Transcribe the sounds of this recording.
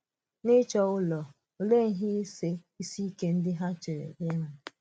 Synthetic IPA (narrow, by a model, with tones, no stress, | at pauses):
nɪ˦t͡ʃɔ˨ʊ˦lɔ˨ | o˨le˦˨ŋ̩˦ɦɪ˦i˦se˦ | i˦si˦ke˦n̩˦dɪ˦ɦa˦t͡ʃe˨ɾḛ˨be˦ɦa˦